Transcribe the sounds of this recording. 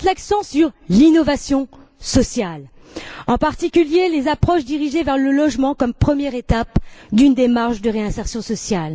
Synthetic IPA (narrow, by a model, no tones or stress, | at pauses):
t̪laksɑ̃syʁlinɔvasjɔ̃ | sɔsjal | ɑ̃paʁt̪ikʲyljelezapχɔʃd̪iʁiʒevɛʁləlɔʒmɑ̃kɔmpχəmjɛʁet̪apd̪ynd̪emaʁʃd̪əʁeɛ̃sɛʁsjɔ̃sɔsjal